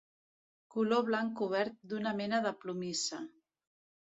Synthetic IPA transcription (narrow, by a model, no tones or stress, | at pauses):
kuloβ̞laŋkuβ̞ɛɾt̪̚d̪unəmɛnəðəplumisa